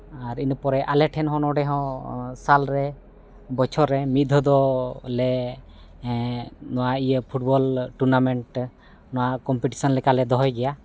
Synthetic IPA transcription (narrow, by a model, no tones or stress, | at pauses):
aɾinəpɔɾɛʔalɛʈʰɛnɦɔ̃nɔɖɛɦɔ̃salɾɛ | bɔt͡ʃʰɔɾɛmit̪̚d̪ʱɔd̪ɔlɛ | nɔwaijəpʰuʈ̚bɔlʈuɾnamɛɳʈ | nɔwakɔmpiʈi̥sɔnlɛkalɛd̪ɔɦɔjɡɛja